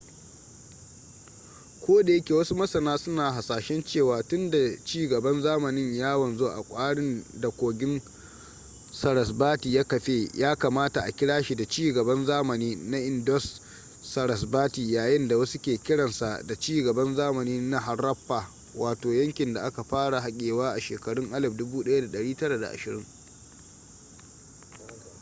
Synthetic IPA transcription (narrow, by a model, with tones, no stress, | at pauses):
kʷoː˦da˨jɐ˦kʲeː˨wɐ˦su˦mɐ˦sɐ˨naː˦sʊ˦naː˨ɦa˨saː˨ʃɛ˦nt͡ʃeː˦˨waː˦tʊ˦nda˨t͡ʃiː˦ɡɐ˨bɐ˦nzaː˦mɐ˨nɪ˦ɲjaː˦wɐ˨nzo˦ʔa̰˨kʷʼaː˦ɽɪ˦ndɐ˨kʷoː˨ɡʲɪ˦n | sɐ˨ɽɐ˨sbaː˦tiː˨jaː˦kɐ˨ɸe˦jʔaː˦kaː˨maː˦ta˨ʔa˨kʲɪ˦ɽaː˦ʃi˨da˨t͡ʃiː˦ɡɐ˨bɐ˦nzaː˦mɐ˨niː˦na˦ʔɪ˨ndɔ˦sː | ɐ˨ɾɐ˨sbaː˦tiː˨jaː˨jɪ˦nda˨wɐ˦su˦kʲeː˨kʲɪ˦ɽɐ˨nsa˨da˨t͡ʃiː˦ɡɐ˨bɐ˦nzaː˦mɐ˨niː˦na˦ɦa˨rːɐ˦ɸːaː˨ | waː˨toː˨jɐ˦ŋkʲɪ˨nda˨ʔa˦ka˨ɸaː˦ɽa˨ɦa˦kʲʼeː˨waː˦ʔa˨ʃeː˨kɐ˨ɽʊ˦ŋʔa˦lɐ˨bdʊ˦buː˦ɗɐ˦ja˦da˨ɗɐ˨ɽiː˦tɐ˦ɽa˨da̰˨ʔa̰˨ʃɪ˨ɾɪ˦ŋ